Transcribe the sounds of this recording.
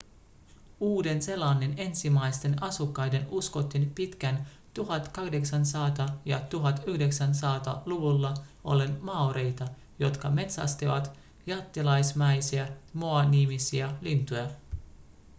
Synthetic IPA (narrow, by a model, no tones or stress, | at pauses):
uːde̞nse̞lːɑːnːe̞ne̞nsimæjst̪e̞nɑsukːɑjde̞nusko̞t̪ːinpit̪k̟æn | t̪uɦɑt̪kɑhde̞ksænsɑːt̪ɑjɑt̪uɦɑt̪yhde̞ksænsɑːt̪ɑluʋulːɑo̞̰linmɑoɾe̞jt̪ɑ | jo̞t̪kɑme̞t̪sɑ̰st̪iʋɑ̰t̪ | jɑt̪ːilɑjsmæjsiæmoɑnːimisiælint̪ujɑ